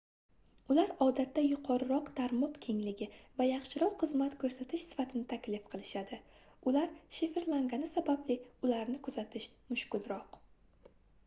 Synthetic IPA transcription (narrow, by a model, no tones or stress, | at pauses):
ʊlaɾɒd̪at̪ʰːajʊqʰɒɾɪɾɒqt̪ʰaɾmɒqkʲʰe̞ŋlɪɡʲɪvajɑχʃɪɾɒqːɨzmat̪kʰɵɾsat̪ʰɪʃsɪ̥fat̪ʰɪnɪt̪ʰakʲlɪfqʰɨlˠɪʃad̪ɪ | ʊlaɾʃɪfeɾlˠaŋɡanɪsabablɪʊlaɾnɪkʰʊzat̪ʰɪʃmʊʃkʲʊlˠɾɒq